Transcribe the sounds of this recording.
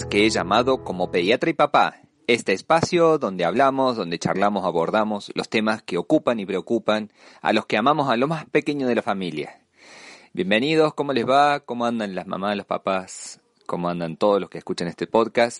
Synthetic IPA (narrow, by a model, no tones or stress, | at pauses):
keeʒamaðo̞ko̞mo̞peðjat̪ɾaipapa̰ | est̪eːspasjo̞ðo̞nd̪eaβ̞lamo̞zðo̞nd̪et͡ʃa̰ɾlamo̞saβo̞ɾð̞amo̞slo̞st̪e̞maskeo̞kupanipɾeokupan | a̰lo̞skeamamo̞salo̞maspe̞ke̞ɲoð̞elafamilja̰ | bje̞mbe̞nið̞o̞sko̞mo̞lezβakomoãnd̪anlazma̰maslo̞spa̰pas | komoãnd̪ant̪o̞ð̞oslo̞skeskut͡ʃanest̪epo̞ðkast̪